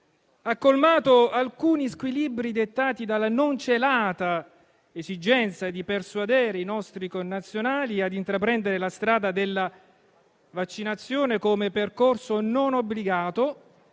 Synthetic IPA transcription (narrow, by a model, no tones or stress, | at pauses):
akːolmaːt̪oalkuːniskwilibɾid̪et̪ːaːt̪id̪alːanont͡ʃelaːt̪a | ezid͡ʒɛnt̪sad̪ipersuad̪ɛːɾeinɔst̪ɾikonːat̪sːjonaːliad̪int̪ɾapɾɛnd̪eɾelast̪ɾaːd̪ad̪elːa | vat͡ʃːinat̪sːjoːnekomeperkorsononobːliɡaːt̪o